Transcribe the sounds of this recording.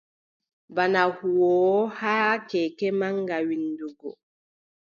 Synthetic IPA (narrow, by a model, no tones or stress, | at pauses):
banahuwɔːhakɛkɛmaŋɡawinduɡɔ